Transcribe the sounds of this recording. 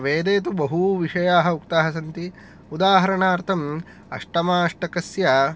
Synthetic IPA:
ʋeːd̪eːt̪ubɐɦuʋiʂɐjaːɦɐukt̪aːɦɐs̬ɐnt̪i | ud̪aːɦɐɾɐɳaːɾt̪ʰɐm | ɐ̰ʂʈɐmaːʂʈɐkɐsjɐ

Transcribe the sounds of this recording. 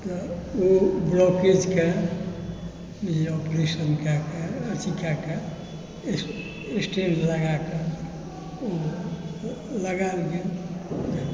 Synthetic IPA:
t̪ɔobloked͡ʒke | eɔpɾesənkakeət͡ʃikake | esʈenləɡakə | o | ləɡalɡel

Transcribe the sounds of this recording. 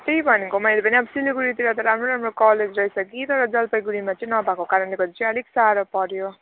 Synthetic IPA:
t̪ejbʱʌnekomʌjlepʌniapsileɡuɾit̪iɾat̪ʌɾamɾoɾamrokʌled͡zrʌisʌkit̪ʌɾʌd͡zʌlpʌjɡuɾimat͡sʌĩnʌbʱakokaɾʌnleɡʌt̪it͡siʌliksaɾʌpʌɾjo

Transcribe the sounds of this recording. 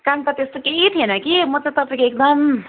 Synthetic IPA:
kaŋt̪at̪est̪oket̪ʰienʌkimʌt͡sat̪ʌpaĩkoek̚d̪ʌm

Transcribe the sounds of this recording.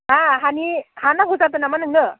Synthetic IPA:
aɦanihanaɡuzat̪̬ɯnamanɯŋɯ

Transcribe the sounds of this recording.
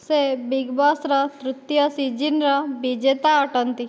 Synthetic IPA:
sebiɡbɔsɾɐt̪ɾut̪jəsid͡ʒinɾɐbid͡ʒet̪aəʈənt̪i

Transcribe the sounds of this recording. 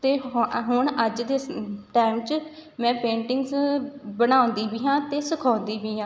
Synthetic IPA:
t̪eːɦʊɳəd͡ʒd̪eːʈaːɪmt͡ʃmɛ̃ːpẽːɳʈɪŋɡzbəñaːõnd̪iːbiːɦãːt̪eːsəkʰɔ̃ːnd̪iːʋiːɦãː

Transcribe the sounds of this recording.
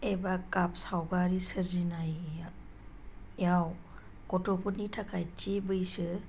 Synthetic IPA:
ebakap̚sawɡaɾisɯɾzinaj | jaw | kɔtɔkunitʰakʰajt͡ʃibɯjsɯ

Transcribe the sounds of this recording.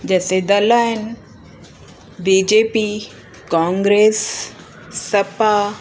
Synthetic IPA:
d͡ʑɛːsed̪ɐlaːɦɪn | biːd͡ʑeːpi | kãːŋɡɾeːsː | ɐpa

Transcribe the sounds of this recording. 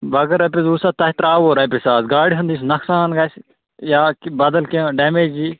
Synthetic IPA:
bɐɡɐɾɐp̬ezuːsat̪ɐt̪ɾaːʋoːɾɐpisaːsɡaːɽiɦɐnd̪is̬nɐksaːnɡɐs | jaːkbɐd̪əlkẽɖeːmeːd͡ʒiː

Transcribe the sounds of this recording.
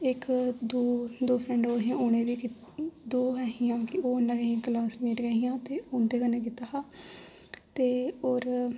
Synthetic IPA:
ɪkd̪oːd̪oːpʰɾɛ̃ːɳɖoːɦiãːoːñẽːʋiːk | d̪oːɦɛɦijãːkɪoːənːãːɡəɦiãːklaːsmeːɾɡəɦĩjãːt̪eːʊːnd̪eːkəneːk̬ɪt̪aːɦaː | t̪eːoːɾ

